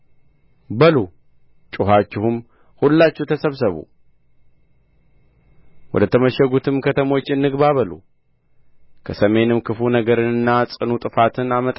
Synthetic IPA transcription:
bəlu | t͡ʃʼʊɦat͡ʃːɪhum | hulːat͡ʃːɛwt̪ʰəsəβsəβṵ | wɔ̰d̪ət̪ʰəməʃəɡut̪ʰɨmkʰət̪ʰəmo̞t͡ʃːɨnːɨɡβaβəlṵ | kʰəsəme̞nɨmkʰɨfunəɡəɾɨnɨnːasʼɨnut̪ʼɨfat̪ʰɨnamət̪ʼ

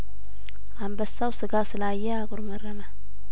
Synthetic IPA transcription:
ʔambəsːawsɨɡasɨlaːjːɛaɡʊɾmərːəma

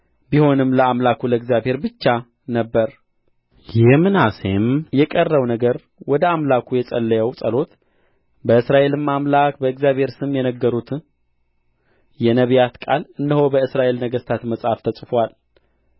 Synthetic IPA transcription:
biho̞nɨmləamlakʰuləɨɡzjaβhe̞ɾbɨt͡ʃːa | nəbːəɾ | jɪhmɨnasemjɛkʼərːəwnəɡəɾ | wɔd̪əamlakʰujɛsʼəlːəjəwsʼəlo̞t̪ | bəɨsɾaʔe̞lɨmmːamlakbəɨɡzjaβhe̞ɾsɨmːjɛnəɡːəɾut̪ | jɛnəβjat̪kʼalɨndəho̞bəɨsɾaʔe̞lnəɡəst̪ʰat̪məsʼhaft̪ʰəsʼfwal

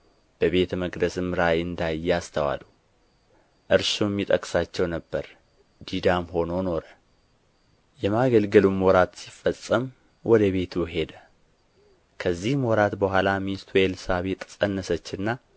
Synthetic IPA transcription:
b̥əβe̞t̪məɡd̪əsɨmɨɾajɨnd̪ajːɛast̪ʰəwa̰lːu | ʔɨɾʃumːit̪ʼəkʼsat͡ʃːɛwnəbːəɾ | d̪id̪amɦo̞nono̞ɾə | jɛmaɡəlɡəlumɔɾat̪sifəsʼːəm | wʔɔd̪əβe̞t̪ʰuɦe̞d̪ə | kʰəzːihmwɔɾat̪bəhʷalamist̪ʰwelsaβet̪ʼsʼənːəsət͡ʃːɨnːa

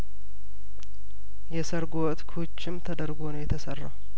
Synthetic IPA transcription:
jɛsəɾɡowɔt̪kʰut͡ʃːɪmt̪ʰəd̪əɾɡonəwjɛt̪ʰəsərːa̰

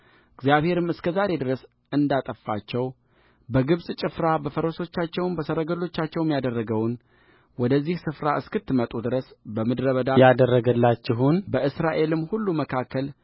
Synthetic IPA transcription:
ʔɨɡzijaβhe̞ɾɨmɨskʰəzaɾe̞d̪ɨɾəs | ɨnd̪at̪ʼəfːa̰t͡ʃːɛw | bəɡɨβsʼt͡ʃʼɪfɾabəfəɾo̞so̞t͡ʃːat͡ʃːɛwnbəsəɾəɡəlo̞t͡ʃːat͡ʃːɛwɛmjad̪ərːəɡəwn | wɔd̪əzːihsɨfɾaʔɨskɨt̪ːɨmət̪ʼud̪ɨɾəsbəmɨd̪ɾəβəd̪ajad̪ərːəɡəlːat͡ʃːɪɦunbəʔɨsɾaʔe̞lɨmːhulːuməkʰakʰːəl

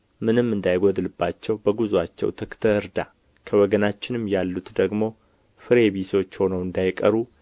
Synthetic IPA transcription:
mɨnɨmːɨnd̪ajɡʷɔd̪ɨlɨbːat͡ʃːɛwbəɡuzat͡ʃːɛ̰wt̪ʰəkt̪ʰəɨɾd̪a | kʰəwɔɡənat͡ʃːɪnɨmːjalːut̪d̪əɡmo̞ | fɨɾe̞βiso̞t͡ʃːho̞nəwɨnd̪ajkʼəɾu

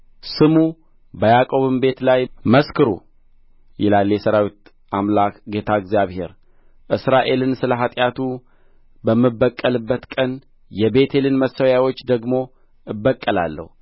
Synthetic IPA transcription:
sɨmu | bəjakʼo̞βɨmbe̞t̪lajməskʰɨɾṵ | jɪ̰lalːjɛsəɾawit̪ | amlakɡe̞t̪ʰaɛɡzijaβhe̞̰ɾ | ʔɨsɾaʔe̞lɨnsɨləɦat̪ʼjat̪ʰu | bəmːɨbːəkʼːəlɨbːət̪kʼən | jɛbe̞t̪ʰe̞lɨnməsːəwjawo̞t͡ʃːd̪əɡmo̞ | ɨbːəkʼːəla̰lːə̰hu

